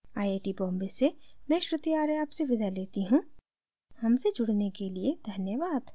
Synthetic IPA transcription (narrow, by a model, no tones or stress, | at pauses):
aːjeːʈibɔ̃ːmbesemɛ̃ːʃɾɪt̪iaːɾeaːpseʋɪd̪ʱaleːt̪iɦũ | hɐmsed͡ʒʊɽnekelied̪ʱɐnjəʋaːd̪